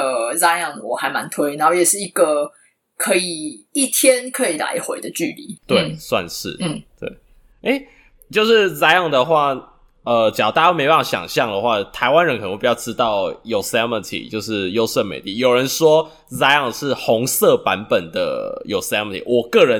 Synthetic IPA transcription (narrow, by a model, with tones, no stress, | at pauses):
ə˧za˥jɑ˥˨˩ŋwɔ˨˩xa˧˥ɪma˧˦nt̪ʰwe˥ɪna˧˦xo˥˩jɛ˨˩ʂɻ̩˥˩i˧˦ɡə˨ | kʰɤ˧˥i˨˩i˥˩t̪ʰjɛ˦nkʰɤ˧˦˥i˨˩la̰˧˦ɪxwḛ˧˦ɪd̪ə˨t͡ɕy˥˨˩lḭ˨˦t̪we˥˩ɪ˩swa̰˥˧nʂɻ̩˥˩˥t̪wḛ˥˩ɪ | e˥ɪ | t͡ɕjo˥˧ʊʂɻ̩˥˨za˥ɪɑ˥˩ŋd̪ə˨xwa˥˩ | ə˨t͡ɕɑ˨t̪a˥˧˥me˧˦ɪ˧pa˥˩˥ɕjɑ̰˨˩ŋɕjɑ˥˨ŋd̪ə˩xwa˥˩t̪ʰa˧˦ɪwa˦nɻə˧˦nkə˨˩ə˧˦˧jʊʈ͡ʂɻ̩˦˥t̪ɑ˥˩ʊjo˨˩ʊsɛ˦˥mə˨nt̪ʰḭ˨t͡ɕjo˥˧ʊʂɻ̩˥˩jo˥ʊsə˥˩nmḛ˨ɪt̪i˥˩jo˨˩ɻə˧˦nʂwɔ˦ | za˥ɪjɑ˥˩ŋʂɻ̩˥˩xɔ˧˦ŋsɤ˥˨pa˧˦npə˨˩nd̪ə̰˩jo˨˩ʊsɛ˦˥mə˨˩tʰḭ˨wɔ˨˩kɤ˥˨ɻə˨˦n